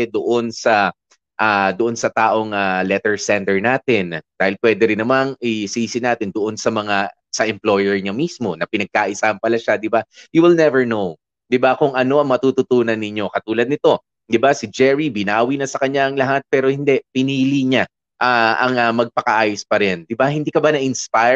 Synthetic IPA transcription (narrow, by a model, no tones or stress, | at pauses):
ɛd̪oʔo̞nsɐ | ʔad̪oʔo̞nsɐt̪aːʔo̞ŋalɛt̪ɛɹsɛnt̪ɛɹnaːt̪ɪnd̪̥aːhɪlpwɛd̪ɛɾɪnɐmaŋʔɪsiːsɪnaːt̪ɪnd̪oʔo̞nsɐmɐŋa | sɐʔɛmplo̞jɛɹɲɐmismo̞nɐpɪnɐɡ̚kaʔɪsaːhɐnpɐlaʃad̪ɪbajuwɪlnɛvɛɹnow | d̪ɪbakʊŋɐno̞ʔɐŋmɐt̪uːt̪ʊt̪uːnɐnːɪɲo̞kɐt̪uːlɐd̪̚nɪt̪o̞ | d̪ɪbasɪd͡ʒɛɹibɪnaːwinɐsɐkɐɲːaʔɐŋlɐɦat̪̚pɛːɾo̞hɪnd̪ɛpɪniːliɲa | ʔaʔɐŋɐmɐɡ̚pɐkɐʔaːjospɐɾɛnd̪ɪbahɪnd̪ikɐbanɐʔɪnspa